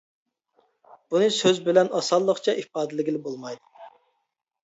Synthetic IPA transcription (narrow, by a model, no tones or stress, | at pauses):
b̥unɨsøzbɪlɛnɑsɑlˠːəχt͡ʃʰɑʔifɑːd̪ɪlɪɡʲilɪbolˠmɑjd̪u